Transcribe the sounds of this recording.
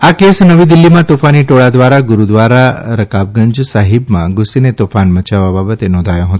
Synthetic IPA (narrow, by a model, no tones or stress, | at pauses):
akesnəʋid̪ɪlːimãt̪ofaniʈoɭad̪ʋaɾaɡʊɾud̪ʋaɾaɾəkab̚ɡəɲd͡ʒsaɦɪbmãɡʊsinet̪ofanmət͡ʃaʋababət̪enɔ̃nd̪ʱajõɦət̪o